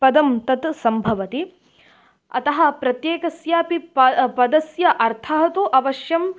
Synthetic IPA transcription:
pɐd̪ɐmt̪ɐt̪sɐmbʱɐʋɐt̪i | ɐ̰t̪ɐɦɐ̆pɾɐt̪jeːkɐsjaːpipɐd̪ɐsjɐʔɐɾt̪ʰɐɦɐt̪uʔɐʋɐʃjɐm

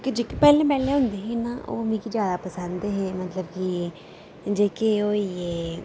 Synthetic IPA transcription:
ked͡ʒeːkipɛːlẽːmɛːlẽɦʊ̃nd̪eːɦiːnaːʔo̰ːmĩːkid͡ʒjaːd̪aːpəsənd̪eɦeːmət̪ləbki | d͡ʒeːkeoːieː

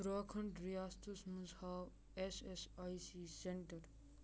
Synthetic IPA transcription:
ɾɔːkʰɐɳɖɾijast̪usmuzaw | esesjsiseɳʈɐɾ

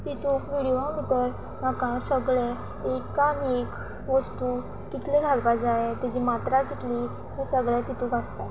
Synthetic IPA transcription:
t̪it̪ukʋiɽiãmit̪əɾ | makãsəɡɭẽ | ekanek | ʋəst̪u | t̪it̪ʰlẽɡʱaɡpad͡zaet̪ad͡ʑimat̪ɾakit̪li | ɦesəɡɭjat̪it̪ukast̪a

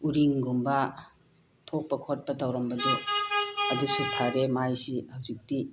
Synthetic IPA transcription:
uɾiŋɡumbɐ | tʰok̚pɐkʰot̚pɐtawɾɐmbɐde | ɐdusupʰaɾemajsihawzik̚ti

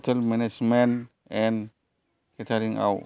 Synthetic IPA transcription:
tʰelmɛned͡ʒmen | ɛn | ketʰaɾiŋa̰w

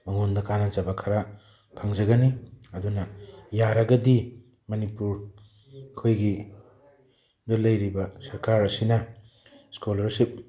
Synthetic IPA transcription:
mɐŋondɐkanɐd͡ʒɐbakʰɐɾa | pʰaŋd͡ʒɐɡɐniɐdunɐjaɾɐɡɐdi | mɐnipuɾ | kʰojɡi | dɐlɐjɾibɐsɐɾkaɾɐsinɐ | skolɐɾsip̚

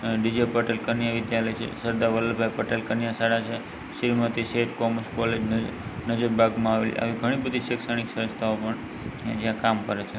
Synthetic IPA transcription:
ɖid͡ʒepəʈelkənjaʋɪd̪jaləjt͡ʃʰḛsəɾd̪aʋələlbʱajpəʈelkənjasaɽat͡ʃʰe | ʃiɾmət̪iʃeʈkɔməskɔled͡ʒnənəd͡ʒəɾbʱaɡmãaʋḛla̰ʋiɡʱəɽ̃ibəd̪ʱiʃeksəɽ̃iksəəst̪ʰaopəɳ | d͡ʒjãkamkəɾet͡ʃʰe

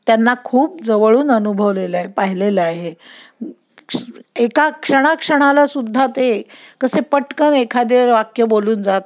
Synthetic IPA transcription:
t̪janːakʰuːp̚d͡zəʋəɭuːnənubʱəʋlelaɦepaɦileləaɦe | ekakʂəɽ̃akʂəɽ̃alasud̪ʱːat̪ekəsepəʈkənekʰad̪iɾʋakjəboluːnd͡zat̪

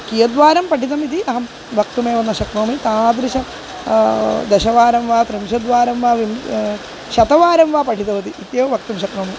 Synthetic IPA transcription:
kijɐd̪ʋaːɾɐmpɐʈʰit̪̬ɐmit̪̬iɐɦɐm | ʋʱɐkt̪umeːʋɐnːɐʃɐkɾoːmit̪aːd̪ɾiʃɐ | d̪ɐʃɐʋaːɾɐmʋaːt̪ɾɨmʃɐd̪ʋaːɾɐmʋaːʋim | ʃɐt̪ɐʋaːɾɐmʋaːpɐʈʰit̪ɐʋɐt̪iʔit̪jeːʋɐʋɐkt̪umʃɐkɾoːmi

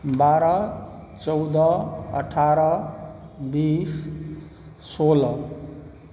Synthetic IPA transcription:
baɾʌt͡sʌwd̪ʌʌ̰ʈʰaɾʌ | bis | solʌ

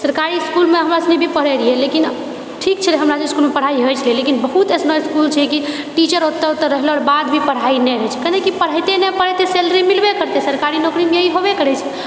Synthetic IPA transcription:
səɾkaɾiskulmeɦəmɾasnebʱipəɽɛɾiɦɛlekin | ʈʰik̚t͡ʃʰɛd͡ʒeɦəmɾasiskulmepəɽ̤aiɦojt͡ʃʰəlielekinbəɦut̪esnɔjskult͡ʃʰɛki | ʈit͡ʃəɾot̪ːət̪ːəɾːəɦlɔɾbad̪bʱipəɽ̤ainɛɦɛjt͡ʃʰɛ̥kənekipəɽ̤əjt̪enɛpəɽɛt̪eselɾimilbekəɾt̪esəɾkaɾinokɾimjəɦiɦobekəɾɛt͡ʃʰɛ

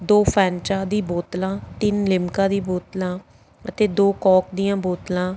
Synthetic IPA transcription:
d̪oːpʰɛːnt͡ʃaːd̪iːboːt̪lãːt̪ɪnlɪmkãːd̪iːboːt̪lãː | ət̪eːd̪oːkɔːkd̪ijãːboːt̪lãː

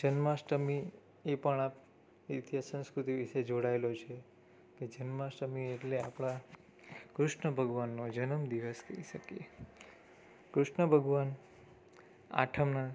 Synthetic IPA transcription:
d͡ʒənmaʃʈəmi | epəɳap | it̪jasə̃skɾut̪iʋiʃed͡ʒoɽaelot͡ʃʰe | ked͡ʒənmãsʈəmieʈlea̰pɽ̃a | kɾʊʃɳəbʱəɡʋanːod͡ʒənəmd̪iʋəskə̰iʃəkjḛ | kɾʊʃɳəbʱəɡʋan | a̰ʈʰəmna

